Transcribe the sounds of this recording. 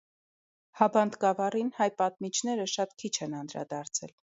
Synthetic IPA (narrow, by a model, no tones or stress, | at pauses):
hɑbɑnd̪ɡɑvɑrinhɑjpɑt̪̚mit͡ʃʰn̪ɛɾəʃɑt̪kʰit͡ʃʰɛnɑnd̪ɾɑ̰d̪ɑɾt͡sʰɛ̰l